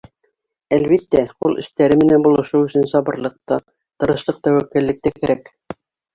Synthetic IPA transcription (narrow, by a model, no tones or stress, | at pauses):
ælβit̪ːæqulˠɘ̰̆ʃt̪æɾɘmɘ̆nænbulˠɤ̆ʃɤɵ̆sɵnsɑβɤ̆ɾlˠɤ̆q̚t̪ɑ | t̪ɤ̆ɾɤ̆ʃlˠɤq̚t̪æwækːæ̆lːɘ̆k̚t̪ækæ̆ɾʔæk